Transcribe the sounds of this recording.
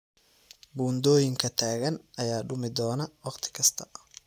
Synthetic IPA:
buːnd̪ɔːjɪŋkʰɐt̪ʰaːɣɐnʔɐjaːɖʊmɪd̪ɔːnɐwɑqt̪ʰɪ̥kʰɐst̪ʰɐ̥

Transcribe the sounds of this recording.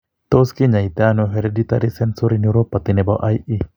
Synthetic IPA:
t̪oskiɲajt̪anoɦeɾedit̪aɾisensuɾinjuɾopːat̪inebaʔajʔi

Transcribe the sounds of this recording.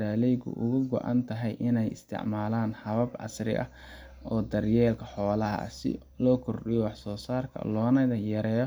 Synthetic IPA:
ɾaːlɛjɣʊ̰ʔʊ̰ɣʊɡɔ̰ʔɑ̰nt̪ʰɐɦɛjʔɪnɛjɪ̰st̪ʰɪ̰ʕmaːlaːnħɐβɐbʔɐ̰srɪ̰ʔɐ̰ | ɔːd̪ɐrjɛːlkʰɐħɔːlɐɦɐ̰sɪ̰ | lɔːkʰɔrɗɪjɔwɑħsɔːsaːrkʰɐ̰lɔːnɐðɐjɐɾɛːjɔ

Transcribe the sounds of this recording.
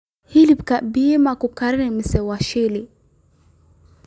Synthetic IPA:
hilib̚kaʔbijemakukaɾinemisɛwaʃele

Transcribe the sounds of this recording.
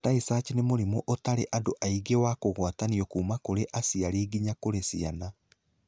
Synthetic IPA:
taisaːt͡ʃinemoɾimoʔotaɾeʔadoʔaiɡewakoɣwataniɔkuːmakoɾeʔasiaɾiːɡiɲakoɾesiana

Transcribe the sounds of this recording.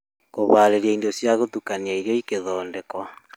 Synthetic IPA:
koβaːɾeɾjaindosjaɣotukaniaiɾjɔikeðɔːndekwa

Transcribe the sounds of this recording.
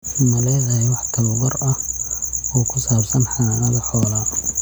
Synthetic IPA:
mɐlɛðɐhɛwɑħt̪ʰɐwɣɔrɐh | ɔːkʰʊsaːbsɐnħɑnnɐðɐħɔːlaː

